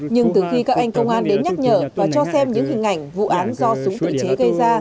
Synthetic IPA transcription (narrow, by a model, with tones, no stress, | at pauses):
ɲɨ˧ŋt̪ɨ˨˩xi˧kaː˦˥k̚ʔa˧jŋ̟kə˧wŋ͡mʔaː˧nɗe˨˦nɲa˦˥t̚ɲə̰ː˧˩vaː˨˩t͡ɕɔ˧sɛ˧mɲɨ̰˧˥ŋɦï˨˩ŋ̟ʔa˧˩jŋ̟vṵ˧˨ʔaː˨˦nzɔ˧sʊ˨˦ŋ͡mt̪ḭ˧˨t͡ɕe˨˦ɣə˧jzaː˧